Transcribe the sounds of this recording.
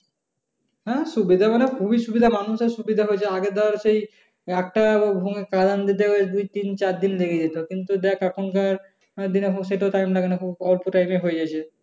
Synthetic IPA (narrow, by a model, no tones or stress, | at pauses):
ɦɛ̃ʃubid̪ʱamanekʰubiʃubid̪ʱamanuʃeɾʃubid̪ʱaɦoet͡ɕʰeaɡed̪aɾaɾʃej | ɛk̚ʈabʱuŋekad̪and̪it̪̬eɦoed̪ujt̪int͡ɕaɾd̪inleɡʰed̪it̪okint̪ud̪ɛkakʰonkaɾ | d̪inefoɡʃeʈaoʈajmlaɡanekʰubɔlpoʈajmeɦoed͡ʑat͡ɕʰe